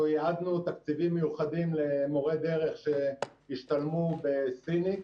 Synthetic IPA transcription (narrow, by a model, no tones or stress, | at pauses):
jaad̪nut̪akt͡sivimːejuχad̪imle̞moʁed̪e̞ʁe̞χʃeiʃt̪almubesini